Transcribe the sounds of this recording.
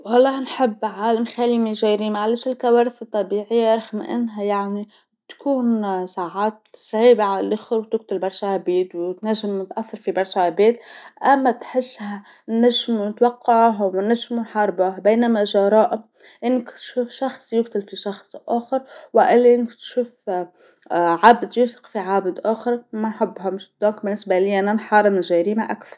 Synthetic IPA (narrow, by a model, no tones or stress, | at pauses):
wʔɑlˤːɑːhnħɪbːʕaːlamxalimiʒajɾimaʕlɪʃɪlkawaːɾɪθɨt̪ˤːɑbiːʕɪjːaɾˤɑxmʔɪ̰nːɦajaʕni | t̪kuːnsaːʕaːt̪̚sʕiːbaʕalalʔʊxɪɾwt̪ɪkt̪ɪlbɑɾˤʃahabeːt̪wɪt̪naʒːɪmɪt̪ʔaθːɑɾˤfibɑɾˤʃahabeːt̪ʔamːat̪ħɪsːha | nːaʒmunɪt̪wɑqːɑʕɦwɪnːaʒmunħɑɾˤbahbeːnamaʒɑɾˤɑːʔ | ʔɪnːɪkt̪ʃuːfʃɑxsˤjʊɡt̪ɪlfiʃɑxsˤʔaːxɑɾˤwaʔalːʔɪnːɪkt̪ʃuːf | ʕabd̪juːsɪ̥qfiʕabd̪ʔaːxɪɾˤmanħʊbːɦamɪʃd̪̥oːk̚bɪnːɪsbaliːʔanːanħɑːɾˤɪmɪʒaːɾiːmaʔakθɑ̥ˤ